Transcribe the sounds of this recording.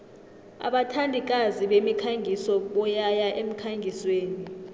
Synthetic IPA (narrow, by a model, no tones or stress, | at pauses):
a̰ɓatʰandʱik̬aziɓemikʰaŋʱisɔɓɔjajaʔem̩kʰaŋʱisweːni